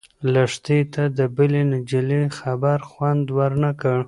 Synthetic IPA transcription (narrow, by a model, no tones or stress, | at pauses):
laʂt̪et̪ad̪əbəlenad͡ʒilexabaɾxwand̪waɾnakəɽ